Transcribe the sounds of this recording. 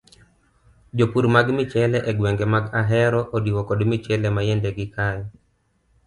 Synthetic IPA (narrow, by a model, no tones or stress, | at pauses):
d͡ʒopuɾmaɡmɪt͡ʃɛlɛʔɛɡwɛŋɡemaɡaɦɛɾɔʔodiwɔkɔdmit͡ʃɛlɛmajɛndɛɡɪkajɔ